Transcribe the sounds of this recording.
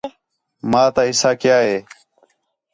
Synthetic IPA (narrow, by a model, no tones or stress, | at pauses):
maːt̪aːɦɪsaːkjaːɦeː